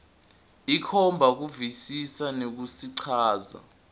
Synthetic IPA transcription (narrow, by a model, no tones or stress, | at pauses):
ikʰɔmbʱak̬uvisisanek̬usiǀʰaːza̰